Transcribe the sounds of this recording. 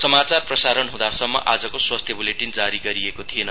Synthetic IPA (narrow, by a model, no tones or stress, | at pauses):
sʌmat͡sarprʌsaɾʌnɦũd̪asʌmːʌ̰ʔad͡zʌkoswast̪ʰjʌbuleʈind͡zaɾiɡʌɾiekot̪ʰienʌ